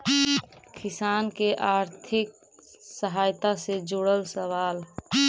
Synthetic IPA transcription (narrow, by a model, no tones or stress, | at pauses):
kɪsaːnkeʔaːɾt̪ʰɪk̚ | səɦaːjt̪ased͡ʒʊɽəlsəʋaːl